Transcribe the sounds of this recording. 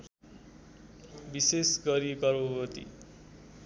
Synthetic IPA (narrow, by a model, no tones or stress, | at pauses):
bisesɡʌɾikʌɾbʌbʌt̪ḭ